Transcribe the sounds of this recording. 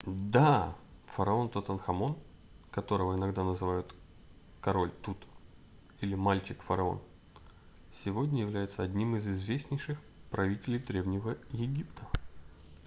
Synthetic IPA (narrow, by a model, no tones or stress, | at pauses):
d̪a | fəɾɐo̞nt̪ot̪ɐnxɐmo̞n | kɐt̪o̞ɾəvəɪnɐɡd̪anəzɨvajʊt̪ | kɐɾo̞lʲt̪ut̪ | ilʲɪmalʲt͡ɕɪkfəɾɐo̞̰n | sʲɪvo̞dʲnʲəjɪvlʲæjɪt̪səɐdʲnʲimɨzɪzvʲesʲnʲɪjʂɨx | pɾɐvʲitʲɪlʲɪjd̪ɾʲe̞vnʲɪvəjɪɡʲipt̪ʰə̥